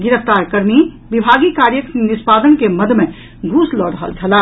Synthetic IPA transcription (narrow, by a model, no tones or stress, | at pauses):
ɡɪɾəft̪aɾkəɾmi | bibʱaɡikaɾjəknispad̪ənkeməd̪ʱmẽ | ɡʱuslɔɽəɦə̰lt͡ʃʰəla